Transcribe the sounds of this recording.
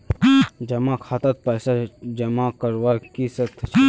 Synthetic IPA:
d͡ʒɐmakʰaːt̪ət̪̚pəːsad͡ʒɐmakəɾʋakisət̪ʰt͡ʃʰ

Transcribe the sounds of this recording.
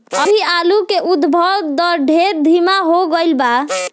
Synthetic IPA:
əbʱialukeʔud̪bʱəd̪əɾɖʱeɾd̪ʱimaɦoɡəjlba

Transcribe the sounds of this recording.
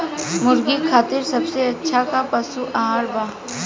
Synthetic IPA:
mʊɾɡikʰaːt̪ɪɾsɐbseɐtːʃʰakapɐsuʔaɦaːɾbaː

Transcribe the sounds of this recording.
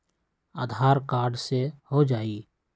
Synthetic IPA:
aːd̪ʱaːɾkaːɾɖsehod͡ʒaːiː

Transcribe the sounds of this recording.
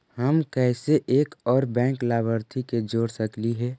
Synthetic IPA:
həmkɛːseʔeːkɔːɾbɛ̃ːŋklaːbəɾt̪ʰiked͡ʒoːɽsəkliɦɛː

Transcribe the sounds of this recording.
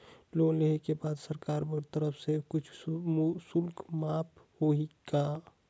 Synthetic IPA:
loleɦekebaːd̪səɾkaːɾbəɾt̪əɾəpʰsekʊt͡ʃʰmsʊlkmaːpʰ | hoika

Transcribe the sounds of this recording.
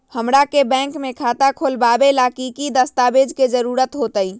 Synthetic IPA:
həmɾakebɛ̃ŋkmekʰat̪akʰolbabelakikid̪əst̪abed͡ʒked͡ʒəɾuɾət̪ɦot̪əj

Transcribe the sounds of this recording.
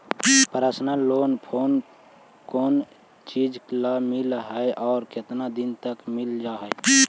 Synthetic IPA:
pəɾasnaloːnpʰoːn | koːn | t͡ʃid͡ʒklamilɦəeʔɔːɾkɪt̪nad̪int̪əkmɪld͡ʒaːɦɛ

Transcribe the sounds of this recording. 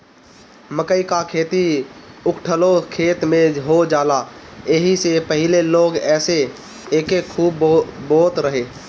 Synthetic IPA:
məkəikakʰeːt̪iʊkʈʰəlokʰeːt̪mẽɦod͡ʒaːlaeɦisepəɦɪleloːɡɛːse | eːkekʰuːbboːt̪ɾəɦeː

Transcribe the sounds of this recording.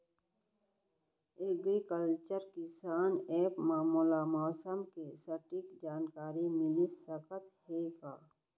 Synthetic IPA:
eɡɾikəlt͡ʃəɾkɪsaːneːpmaːmulamɔːsəmkesəʈɪkd͡ʒaːnkaːɾimɪlisəkət̪heːɡaː

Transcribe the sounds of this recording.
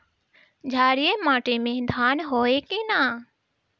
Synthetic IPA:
d͡ʒʱaːɾɪemaːʈemẽːd̪ʱaːnɦoːeːkenaː

